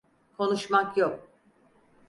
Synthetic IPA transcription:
kʰo̞nuʃmakjok̚

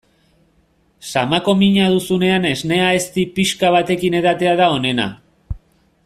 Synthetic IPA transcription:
samako̞miɲað̞usune̞ane̞zne̞ae̞st̪ipiʃkaβ̞at̪e̞kine̞ðat̪e̞aðao̞ne̞na̰

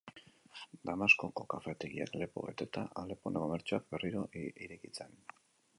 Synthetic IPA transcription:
d̪amasko̞ko̞kafe̞t̪e̞ɣia̰kle̞po̞̰βe̞̰t̪et̪aʔale̞poneko̞me̞ɾt͡ʃuak̚be̞riɾo̞ʔiɾe̞kit͡se̞n

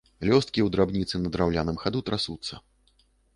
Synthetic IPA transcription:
lʲɔst̪̚kʲiwd̪ɾabnʲit̪sɨnɐd̪ɾawlʲanɨmxad̪ut̪ɾasut̪sːɐ

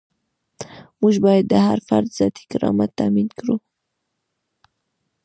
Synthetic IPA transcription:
muʒbɑjad̪̚ːəhaɾfaɾd̪z̥ɑt̪i̥kɪɾɑ̰mat̪ːaminkɾu

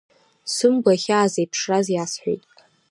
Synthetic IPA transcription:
sɨmɡʷaχʲaːzejpʰʂrazjasħʷejtʼ

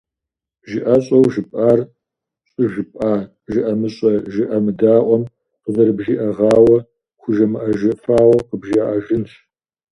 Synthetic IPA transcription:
ʒɪʔɐɕʼɐwʒɪpʼaːr | ɕʼɪʒɪpʼʔaː | ʒɪʔɐmɨɕʼɐʒɪʔɐmɨdaːʔʷɔm | qəzɐɾɨbʒiːʔɐʁɑːwɐ | xʷʊʒɐmɨʔɐʒɪfaːwʷɔqəbʒiaʔaʒɪnʃ

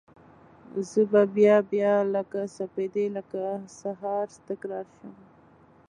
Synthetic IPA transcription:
zəbabjɑbjɑləkasaped̪eləkasaɦɑɾst̪əkɾɑɾʃəm

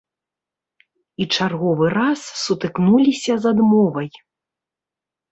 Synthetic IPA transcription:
it͡ʂarɣɔvɨɾasːut̪ɨknulʲisʲɐzad̪mɔvɐj

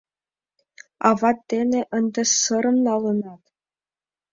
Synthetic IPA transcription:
ɑ̰vɑt̪ʲːenʲeʔənd̪ɤ̆sɤ̆ɾɤ̆mnɑlɤ̆nɑt̪

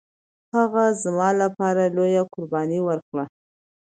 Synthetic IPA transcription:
haɣazmɑlapɑɾalojakʊɾbɑniwəɾkɽa

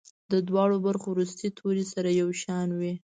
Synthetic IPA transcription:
d̪əd̪wɑɽobaɾxowɾus̬t̪it̪ʰoɾisaɾajawʃɑnwi

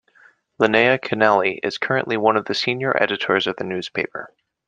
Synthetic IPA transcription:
ləneɪɨkʰɨnælˠiʔɪ̰z̥kʰɜ˞ɨ̰̃nʔliwʌ̃nʌvðɨsĩnjə˞ʔɛ̰ɾɨɾə˞zʌvðɨnʉz̥pʰeɪpə̰˞

